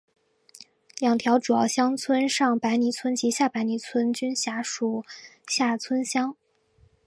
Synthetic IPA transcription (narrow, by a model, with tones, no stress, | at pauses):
ljɑ˨˩ŋt̪ʰjɑ˧˥ʊʈ͡ʂu˨˩jɑ˥˩ʊɕjɑ˥ŋt͡sʰwə˥nʂɑ˥˩ŋpa˧˥ɪni˧˥t͡sʰwə˥nt͡ɕi˧˥ɕja˥˩pa˧˥ɪni˧˥t͡sʰwə˥nt͡ɕy˥nɕja˧˥ʂu˨˩ɕja˥˩t͡sʰwə˥nɕjɑ˥ŋ